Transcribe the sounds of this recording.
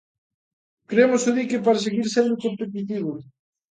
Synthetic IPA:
kɾemʊsoðikepaɾas̬eɣiɾsend̪okompet̪̬it̪iβʊ

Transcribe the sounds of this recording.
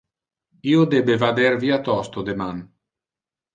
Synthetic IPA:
iːod̪ebevad̪eɾviːat̪ɔst̪od̪eman

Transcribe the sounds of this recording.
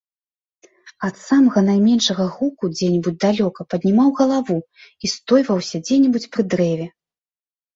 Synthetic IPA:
ɐt̪samɐɣɐn̪ajmʲɛnʂɐɣɐɣukud͡zʲɛnʲɛbud͡zʲd̪alʲɔkɐpɐd̪ʲnʲimawɣɐlˠavu | ist̪ɔjvɐwsʲɐd͡zʲɛnʲɛbut͡sʲpɾɨd̪ɾɛvʲɛ

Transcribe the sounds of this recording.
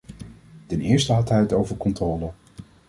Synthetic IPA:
tɛnɪːɹstəɦɑtɦɛjətowvəɹkɔntrɔːlə

